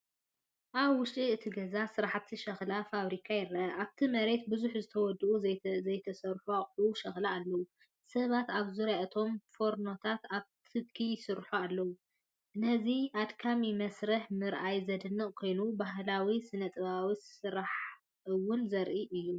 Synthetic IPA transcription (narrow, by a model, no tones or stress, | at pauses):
ʔaβwʊʃt̪ʼiɨt̪ʰiɡɐzasɨɾaħt̪ʰiʃɐxlafaβɾikʰajɪɾɐʔɐʔaβt̪ʰimɐɾe̞t̪̚bɨzuħzɨt̪ʰɐwɔd̪ːuʔuɐjt̪ʰɐsɐɾħuaχʼuʃɐxlaːlːɐwu | sɐβat̪aβzɨɾaʔɐt̪ʰo̞mfo̞ɾno̞t̪ʰat̪aβt̪ʰɨd̪̚kʰijsɨɾħualːɐwu | ʔɨnɐziʔad̪kʰamimɐsɾɐħmɨɾʔajzɐd̪ɨnːɨʔʼkʰo̞jnubaɦlawisɨnɐt̪ʼɨβawisɨɾaħ | ɨwʊnzɐɾʔiʔɨjːu